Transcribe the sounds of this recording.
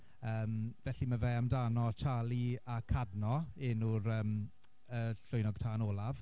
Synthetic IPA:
əːmvɛɬimavɛamdaːnɔt͡ʃʰaːlˠiakʰadnɔɪnuɾəːm | əɬʊjnɔɡ̥̚tʰaːnɔːlˠav

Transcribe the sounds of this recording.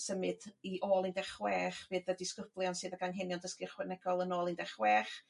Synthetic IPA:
səmɨdiʔoːlˠindɛχwɛːχv̥eːdədiskʊb̥lˠjɔnsɨːðəɡaŋɦɪnjɔndəskɪrχwɛnɛɡɔlˠənoːlˠindɛχwɛːχ

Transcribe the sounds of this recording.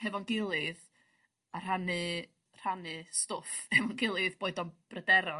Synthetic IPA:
hɛvɔnɡɪlˠɨð | ar̥anɨ | r̥anɨstʊfhɛvɔnɡɪlˠɨðb̥oɨdɔnb̥rədɛɾɔ

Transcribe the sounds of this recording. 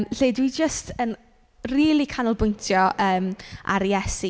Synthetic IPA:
ɬeːdwid͡ʒəstən | riːlˠikʰanəlˠbʊjntʰjɔʔəːma̰ɾjɛsi

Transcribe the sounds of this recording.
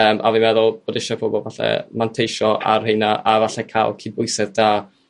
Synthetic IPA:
əːmʔa̰vimɛðʊlˠb̥oːdɪʃɔpʰobɔlˠvaɬɛ̰mantʰejʃɔʔar̥hejnaʔavaɬɛkʰa̰lˠkʰiːd̚bʊɨsɛðda

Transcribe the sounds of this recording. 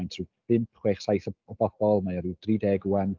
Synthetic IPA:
jntʰrub̥ɪmpʰχweχsajθɔɔbɔb̥ɔlˠmajɔɾɪwd̥riːdɛːɡuɛn

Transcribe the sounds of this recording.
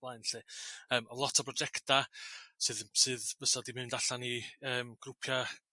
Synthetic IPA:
lˠajnɬɨːəːmɔlˠɔtʰɔbrɔd͡ʒɛktasɨːðsɨːðvəsadimɨndaɬaniəːmɡ̥rʊpʰja

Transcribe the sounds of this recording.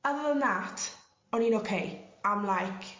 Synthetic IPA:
əvənatʰ | ɔninokʰejamlajkʰ

